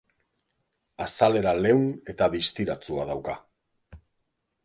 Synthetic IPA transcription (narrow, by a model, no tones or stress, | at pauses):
asale̞ɾale̞wne̞t̪aðist̪iɾat͡suaðawka